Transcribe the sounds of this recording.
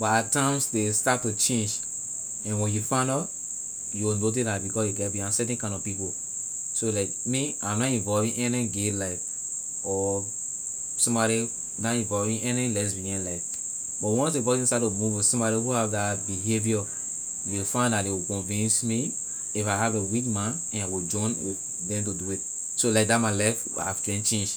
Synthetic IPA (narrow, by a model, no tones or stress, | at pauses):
bɔatʰãɪ̃msdestatːut͡ʃẽnd͡ʒ | ɛ̃nwɛ̃njufãndɔ | juwinot̬islabikɔsjuɡɛtbiãnsɛtɛ̃nkãɪ̃ndɔvpipo | solakmiãmnɔtĩnvɔlvĩnʔɛnĩɡelaɪf | ɔ | sɔ̃mbɔɾi | natĩnvɔvĩɛnĩlɛs̬biɡɛ̃nlaɪf | bɔtwɔ̃nsepɔzĩnstatumuvɔsɔ̃mbɔɾihuavdabiɦevijɔ | jeifãɪ̃ndatdewikɔ̃nvĩnsmi | ifaɪɦavewikmãn | ɛ̃nawid͡ʒɔ̃n | dɛ̃mt̬uduit̚ | solaɪk̚datmaɪlaɪf | a̰vkɛ̃nt͡ʃẽnd͡ʒ